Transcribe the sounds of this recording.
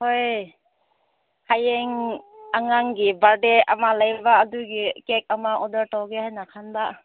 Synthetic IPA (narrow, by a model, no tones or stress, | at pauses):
hoj | hajeŋaŋaŋɡibaɾdea̰malajbaːduɡikek̚amaʔɔdəɾtawɡehajnakʰanba